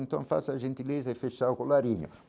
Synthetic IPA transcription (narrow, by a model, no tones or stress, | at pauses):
nt̪ɐ̰̃w̃fa̰saʒẽnt̪ilezɐɪfeʃawkʊlaɾiɲʊ̰